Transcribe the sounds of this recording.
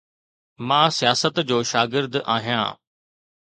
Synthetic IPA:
mãːsijaːsət̪d͡ʑoːʃaːɡɪɾd̪ʔa̰ːɦijã̰ː

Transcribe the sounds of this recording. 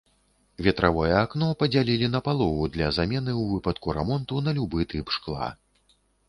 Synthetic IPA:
vʲɛt̪ɾʔavɔjɛːknɔpɐd͡zʲalʲilʲinɐpalˠɔvud̪lʲɐzamʲɛnɨwvɨpɐt̪kuɾɛmɔnt̪unɐlʲubɨt̪ʰɨpʂklˠa̰

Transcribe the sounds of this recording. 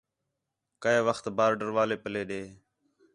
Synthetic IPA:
kəeːʋəxt̪baːɾɖəɾʋaːleːpəleːɗeː

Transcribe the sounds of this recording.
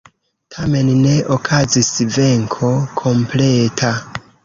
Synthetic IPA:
tʰame̞nne̞ʔokʰazisve̞ŋkʰo̞kʰo̞mpletʰa

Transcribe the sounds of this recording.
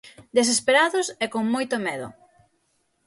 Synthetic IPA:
d̪es̬espeɾaðʊsɛkoŋmojt̪ʊmɛðʊ̰

